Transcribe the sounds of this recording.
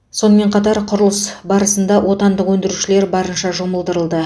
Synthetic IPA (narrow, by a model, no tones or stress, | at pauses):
so̞nəme̞ɴqʰɑt̪ɑɾqʰʊɾəlˠəsbɑɾəsənd̪ɑwo̞t̪ɑnd̪əqwɵnd̪ɪɾuʃɪle̞ɾbɑɾənʃɑʒoməlˠd̪əɾəlˠd̪ə